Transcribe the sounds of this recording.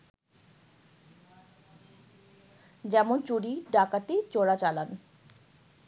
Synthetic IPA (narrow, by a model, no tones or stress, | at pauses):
d͡ʑɛmont͡ɕuɽiɖakat̪et͡ɕoɽat͡ɕalan